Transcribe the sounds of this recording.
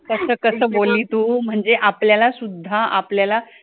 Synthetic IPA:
kəsəːkəsəːboliːt̪uːm̤əɳd͡zeʔapljalasud̪ʱːaʔa̰pljala

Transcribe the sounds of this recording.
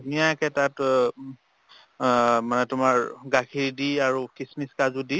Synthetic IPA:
dunijaɛkɛtat | manɛtʊmaɹɡakʰiɹidiaɹukismiskazudi

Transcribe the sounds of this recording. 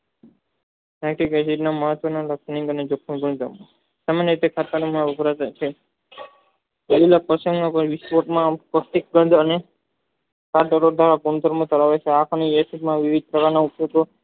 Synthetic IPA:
ɛkʈikesiʈnaməɦət̪ʋənaləksniŋɡəned͡ʒokʰːunɡəɳd̪əm | samanɲjəɾit̪ekʰat̪anumaʋəbʱɾat̪ajt͡ʃʰe | ililapəsə̃ŋɡnãpəɾʋispoʈmãpəsʈ̪ik̚ɡə̃nd̪ʱəne | kaɾɖəɾoɾd̪ʱaɾaɡund̪əɾmõt̪əɾaʋet͡ʃʰeakʰaniesiʈmãʋiʋid̪̚pɾəkanaupjot̪o

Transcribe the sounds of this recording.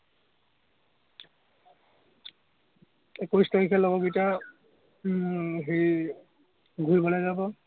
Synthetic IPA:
ekujstaɹikʰɛlɔɡɔɡita | ɦej | ɡʱulbɔlajzabɔ

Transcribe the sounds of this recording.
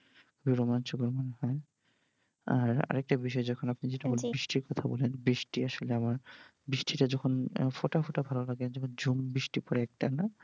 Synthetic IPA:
kʰubiɾɔmant͡ʃukoɾmanɦɔe | a̰ɾa̰ɾɛk̚ʈabiʃ̬ɔed͡ʑɔkʰonapnid͡ʑeʈabolebɾiʃʈiɾkɔt̪ʰabɔ̰lenbɾiʃʈiaʃoleamaɾ | bɾiʃʈʰiʈad͡ʑɔkʰonfoʈafoʈabʱalolaɡend͡ʑɔkʰond͡ʑumbiʃʈipɔɾeɛk̚ʈana

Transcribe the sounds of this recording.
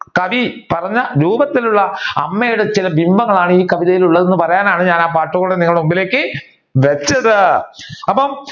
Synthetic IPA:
kɐʋipɐrɐɲːɐɾuːbɐt̪ːiluɭːɐɐmːejuɽet͡ɕilɐbimbɐŋːɐɭaːɳɨiːkɐʋiðɐjiluɭːɐðe̞nːɨpɐrɐjaːnaːɳɨɲaːnaːpaːʈːuɣɐːuɽeniŋːɐɭmumbile̞ːkːɨ | ʋet͡ɕːɐðɨɐpːɐm

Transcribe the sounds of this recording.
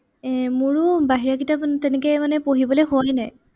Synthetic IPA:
ɛmʊɹʊbaɦiɹakitapntɛnekɛmanɛpoɦibɔlejxʊajnaj

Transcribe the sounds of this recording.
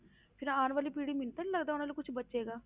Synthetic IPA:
pʰɪɾaːnʋaːliːpiːɽiːmɪnt̪aniːləɡd̪aːʊnaːlikʊt͡ʃʰbətːʃeːɡaː

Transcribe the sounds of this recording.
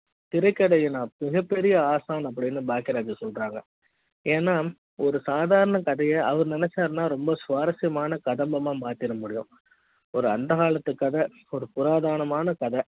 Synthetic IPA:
t̪ɪɾɐɪkːɐɽɐjɯnãːmɪɣɐpːɛɾɪjɐaːsaːnɐp̬ːɐɽɪnːɯbaːkɪɾaːd͡ʒɐsɔlɾaːŋɡɐ | eːnːaː | ɔɾɯsaːðaːɾɐɳɐkɐðɐjɐʔɐʋɐɾnɪnɛt͡ʃːaːɾnaːɾɔmbɐsʋaːɾɐsɪjɐmaːnɐkɐðɐmbɐmaːmaːɾt̪ɪɾɐmʊɽɪjʊ̰̃ | ɔɾɯɐnd̪ɐɣaːɭɐt̪ːɯkːɐðɐ | ɔɾɯpʊɾaːðaːɾɐɳɐmaːnɐkɐðɐ

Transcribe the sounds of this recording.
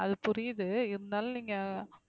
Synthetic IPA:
ɐðɯpʊɾɪjðɯɪɾɯnd̪aːlniːŋɡɐ

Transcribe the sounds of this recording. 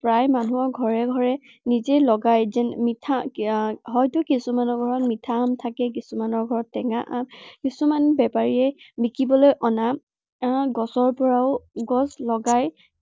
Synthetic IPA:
pɹajmanuɔɹɡʱɔɹɛɡʱɔɹɛ | nizɛlɔɡajzɛnmitʰa | ɦɔjtʊkisumanɔɹɡʱɔɹɔtmitʰamtʰakɛk̬isumanɔɹɡʱɔɹɔtːɛŋaʔamkisumanbɛpaɹiɛbikibɔlojʔɔna | ɡɔsɔɹpɔɹaʊɡɔslɔɡaj

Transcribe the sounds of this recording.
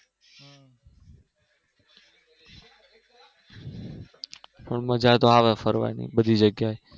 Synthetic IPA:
pəɳməd͡ʒaːt̪oːaːʋefəɾʋa̰ːnḭːɓəd̪ʱiːd͡ʒəɡjaːɦeː

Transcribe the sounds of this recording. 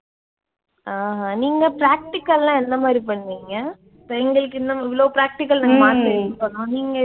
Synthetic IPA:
aːɦãniːŋɡɐpɾaːk̚ʈɪkːɐllãːɛnd̪ɐmaːd̪ɾipɐɳːʋiːŋɡɐ | pɐɛŋɡɐɭɯkːɯɪnd̪ɐmɪʋɐɭoːpɾaːk̚ʈɪkːɐlnaːɡɐmaːɾt̪ɪɾɯkːɯpːɐɳːõːniːŋɡɐ

